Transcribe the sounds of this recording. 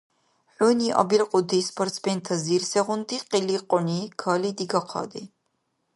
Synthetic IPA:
ħʷuːniʔɐ̰bilqʼʊd̪ispʰɔrt̪sbɛnt̪ʰɐzirsɛʁʊnd̪iqʼiliqʼɔnikʰaːlid̪iɡɐqʰɑ̰d̪i

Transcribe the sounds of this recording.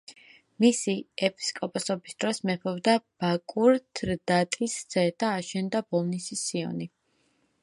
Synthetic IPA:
misiɛpʰi̥skʼɔpʼɔsɔbisd̪̥ɾɔsmɛpʰɔvd̪ab̥akʼuɾt̪ʰɾd̪at̪ʼisd̪z̥ɛd̪̥aːʃɛnd̪abɔlˠnisisiɔ̰ni

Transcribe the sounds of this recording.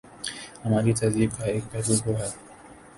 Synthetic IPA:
hɐmaːɾit̪ɐziːb̚kaeːk̚bɛɦluːlɦoɦɛː

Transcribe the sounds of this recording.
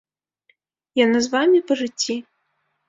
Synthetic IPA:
janazvamʲipɐʐɨt͡sʲːi

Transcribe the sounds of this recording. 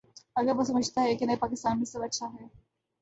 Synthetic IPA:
ɐɡəɾʋosɐməd͡ʒʱt̪aɦɛkinɐɦipaːkɪst̪aːnmisɐbɐtːʃʰaɦɛː

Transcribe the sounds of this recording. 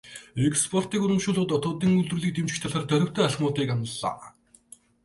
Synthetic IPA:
ekspʰɔr̥t̪iːkɵɾɵ̆mʃʊːɮʊːt̪ɔt̪ʊːt̪iːŋɵɮt̪urɮiːk̚t̪emt͡ɕɪ̥̆kt̪ʰaɮaːrt̪œɾʲɪ̆kt̪eːaɮχmʊːt̪iːkanə̆ɮːa̰ː

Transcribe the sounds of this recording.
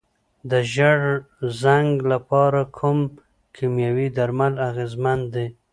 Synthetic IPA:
d̪əʒaɽ | zaŋɡlapɑɾakʰʊm | kʰimjawid̪aɾmalaɣezmand̪e

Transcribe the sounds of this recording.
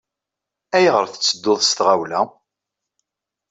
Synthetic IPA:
æjʁəɾθə̥t͡sːəd̪ːʊðˤst̪ʁawlæ

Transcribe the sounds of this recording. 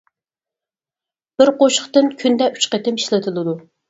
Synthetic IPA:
b̥ɪɾqoʃə̥χt̪ɨnkʲʰynd̪ɛʔyt͡ʃqət̪ɪmiʃlɪt̪ʰɨlˠɨd̪u

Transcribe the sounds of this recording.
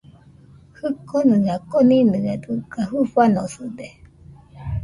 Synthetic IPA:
hɨkʰonɨɡakoninɨad̪ɨkaɦuɸanosɨd̪e

